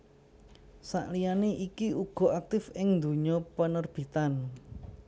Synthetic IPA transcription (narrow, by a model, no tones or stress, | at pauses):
sa̰ʔlijaneʔikiuɡ̥ɔ̤ʔak̚t̪ɪfɪŋnd̪ṳɲɔpənərb̥i̤t̪an